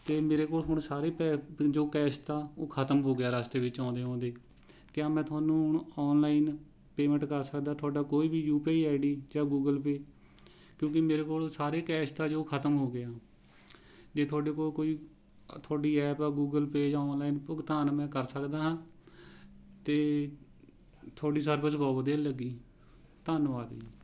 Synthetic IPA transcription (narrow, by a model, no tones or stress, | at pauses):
t̪eːmeːɾeːkoːlɦʊɳsaːɾeːpɛːd͡ʒoːkɛːst̪aːoːkʰət̪əmɦoːɡɪaːɾaːst̪eːʋɪt͡ʃãːnd̪eːɔ̃ːnd̪eː | kɪãːmɛ̃ːt̪ʰʊaːnũːɳɔːnlaːin | peːmə̃ɳʈkəɾsəkd̪aːt̪ʰʊaːɖaːkoːiːbiːjuːpeːɛːɖiːd͡ʒãːɡuːɡəlpeː | kjõːkɪmeːɾeːkoːlosaːɾeːkɛːst̪aːd͡ʒoːkʰət̪əmɦoːɡeaː | d͡ʒeːt̪ʰʊaːɖeːkoːkoːiː | t̪ʰaːɖiːɛːpaɡuːɡəlpeːd͡ʒãːɔːnlaːiːnpʊɡt̪aːnmɛ̃ːkəɾsəkd̪aːɦãː | t̪eː | t̪ʰoːɖiːsəɾbəsbɔːbəd̪eːləɡiː | t̪aːnʋaːd̪iː